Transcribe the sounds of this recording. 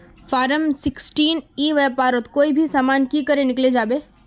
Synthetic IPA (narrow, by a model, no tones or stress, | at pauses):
faːɾəmsɪksʈiːniːʋɛpaːɾət̪koːibʱisaːmaːnkiːkəɾẽnɪkled͡ʒaːbeː